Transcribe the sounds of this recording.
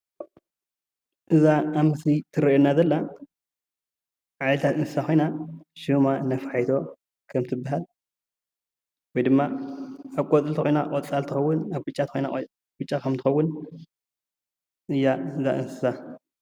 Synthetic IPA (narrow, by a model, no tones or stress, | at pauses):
ʔɨzaːmɨslit̪ʰɨɾɐonːazɐlːa | ʕalɐt̪ʰat̪ɨnsɨ̥saxo̞jnaʃɨmanafaħajt̪ʰo̞ | kʰɐmt̪ʰɨbːaɦal | wɔjd̪ɨmːaaβkʼɔt͡s̪ʼɨlt̪ɨkojna̰ʔʼɔt͡sʼalt̪ʰɨxɐwːʊnaβɡɨt͡ʃʼːat̪xojna̰ | ɡɨt͡ʃʼːakʰɐmt̪ʰɨ̥xɐwːʊn | ʔɨjːaɨza̰ʔɨ̰nsɨ̥sa